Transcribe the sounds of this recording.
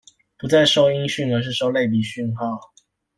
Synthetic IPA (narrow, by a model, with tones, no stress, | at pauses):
pu˨˥t͡sa˥˧ɪʂo˥ʊi˥ŋɕy˥˩nə˞˧˦ʂ̬ɻ̩˥˧ʂo˥˧ʊle˥˨ɪp̬i˨˩ɕy˥˧nxɑ˥˨ʊ